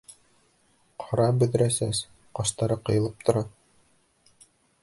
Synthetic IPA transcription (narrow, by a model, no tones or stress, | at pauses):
qʰɒɾɑbɵ̆ðɘ̆ɾæsæs | qɑʃt̪ɑɾɤqɤ̆jɤ̆lˠɤp̚t̪ŏɾɑ